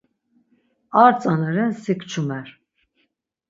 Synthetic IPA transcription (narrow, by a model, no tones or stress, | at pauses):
aɾt͡sʼanɛɾɛnsikʰt͡ʃʰumɛɾ